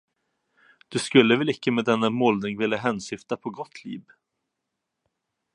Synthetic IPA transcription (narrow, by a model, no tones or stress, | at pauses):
d̪̥ɵskɵlːəvɛlɪkːəmɛːd̪ɛnːamɔlnɪŋvɪljaɦɛnsʏft̪apʰɔɡɔt̪ʰːlḭːv